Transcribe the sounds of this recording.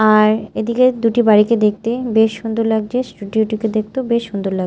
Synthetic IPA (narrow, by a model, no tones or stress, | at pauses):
aɾed̪iked̪uʈibaɾiked̪ek̚t̪ebeʃund̪uɾlaɡ̚d͡ʑesʈuɖioʈiked̪ek̚t̪obeʃund̪uɾlaɡ